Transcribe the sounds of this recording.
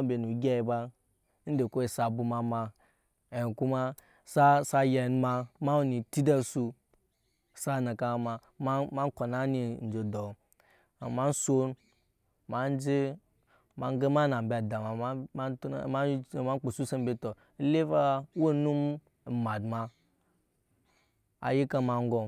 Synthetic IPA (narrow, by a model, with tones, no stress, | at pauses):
be˨nu˨ɡʲe˦i˨ba˦ | n̩˦de˨ko˦e˨sa˨bu˨ma˨ma˨ | e˨ku˦ma˦ | sa˦sa˦je˨n˦ma˧ma˦u˦˨ni˨ti˦da˦su˦ | sa˦na˨ka˦˨ma˨ | ma˦ma˦n˦ko˨na˦ni˨n̩˨d͡ʒe˨dɔ˨ | a˨ma˦n˦so˦n | ma˨n˦d͡ʒe˦ | ma˨˦n˦ɡe˦ma˦na˨m˨be˨da˨ma˨a˦˨ | ma˦˨ma˦n˦k͡po˨su˦sa˦mbe˦to˨˦ | le˦va˦wo˦nu˦m˨ | ma˨dma˨ | a̰˨ji˦ka˦ma˨ŋ˦ɡo˨